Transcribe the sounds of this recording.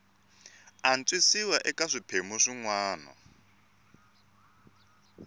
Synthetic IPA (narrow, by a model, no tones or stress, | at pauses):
ant͡sʼwisiwaʔɛkaʂipʰemuʂiŋwaːnɔ̰